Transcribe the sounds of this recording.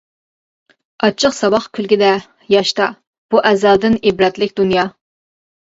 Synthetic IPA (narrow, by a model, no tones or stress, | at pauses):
ɑt͡ʃʰəqsɑbɑχkʲʰylɡʲɪd̪ɛ | jɑʃt̪ɑ | b̥uʔɛzæld̪ɪnibɾɛt̪lɪkʲd̪unjɑ